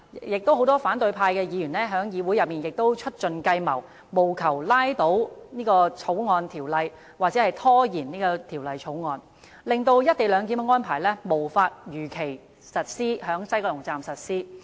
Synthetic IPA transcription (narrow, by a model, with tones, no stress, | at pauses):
jɪ˨k̚t̪o˥who˨˥wt̪ɔː˥faː˨˥nt̪ɵ˧ɥpʰaː˧jkɛː˧jiː˨˧jyː˨˩nlɛː˥ɦœː˨˥ŋjiː˨˧wu˨˥jɐ˨p̚miː˨˩njɪ˨k̚t̪o˥wt͡ʃʰɵ˥t̚t͡ʃɵ˨˧nkɐ˧jmɐ˨˩w | mo˨˩wkʰɐ˨˩wlaː˥jt̪o˨˥wniː˥kɔː˧t͡sʰo˨˥wŋɔː˧nt̪ʰiː˨˩wlɐ˨j | waː˨k̚t͡sɛ˨˦hɐ˨jt̪ʰɔː˥jiː˨˩nniː˥kɔː˧t̪ʰiː˨˩wlɐ˨jt͡sʰo˨˥wŋɔː˨˧n | lɪ˨ŋt̪o˧wjɐ˥t̚t̪e˨jlœː˨˧ŋk̬iː˨˥mɛ˧ŋɔː˥npʰaː˨˩jlɛ˥mo˨˩wfaː˧t̚jyː˨˩kʰe˨˩j | sɐ˨t̚siː˥ɦœː˨˥ŋsɐ˥jkɔː˧lʊ˨˩ŋt͡saː˨msɐ˨t̚siː˥